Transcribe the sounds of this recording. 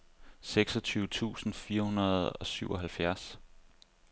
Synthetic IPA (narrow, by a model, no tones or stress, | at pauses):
seɡ̥sɒ̽t͡sʰyːʊt͡sʰṵːsn̩fiːɐhunɐð̞̩ˠɒ̽syʊ̰ɒ̽ɦælfjæɐs